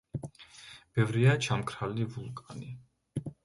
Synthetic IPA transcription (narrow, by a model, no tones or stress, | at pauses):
b̥ɛvɾiat͡ʃʰamkʰɾalivulˠkʼani